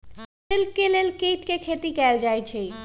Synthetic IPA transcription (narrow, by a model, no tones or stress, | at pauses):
elkelelkejʈkekʰet̪ikɛld͡ʑajt͡ɕʰe